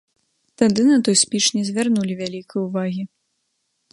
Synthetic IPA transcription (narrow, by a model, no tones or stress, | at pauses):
t̪ad̪ɨnɐt̪ɔjsʲpʲit͡ʂnʲɛzʲvʲarnulʲivʲalʲikəjuvaɣʲi